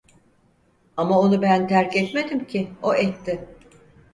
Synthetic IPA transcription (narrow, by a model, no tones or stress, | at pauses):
amao̞nubænt̪ʰæɾcɛt̪med̪imcʰɪo̞ʔɛt̪ʰːɪ